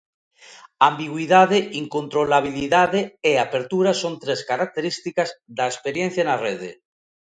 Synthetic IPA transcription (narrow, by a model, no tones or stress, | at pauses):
ambiɣwiðaðeʔiŋkõnt̪ɾolaβ̞iliðaðeeapeɾt̪uɾasont̪ɾeskaɾak̚t̪eɾist̪ikazðaespeɾjen̟θjanareðḛ